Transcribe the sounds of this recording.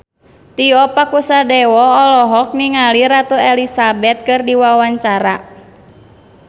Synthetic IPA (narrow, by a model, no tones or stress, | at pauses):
t̪iɔpakusadɛwɔɔlɔɦɔk̚niŋaliɾat̪uɛlisabɛt̪̚kɨrdiwawaɲt͡ʃaɾa